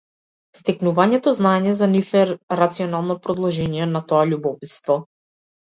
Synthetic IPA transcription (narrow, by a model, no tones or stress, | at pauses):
st̪ɛknuvaɲɛt̪ɔznaɛɲɛzanifɛɾat̪siɔnalˠnɔpɾɔd̪lˠɔʒɛɲiɛnat̪ɔaʎubɔpit̪st̪vɔ